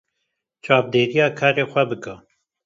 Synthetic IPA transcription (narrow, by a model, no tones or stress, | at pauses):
t͡ʃʰɑːvd̪eːɾijɑːkʰɑːɾeːxʷɛbɨkɨ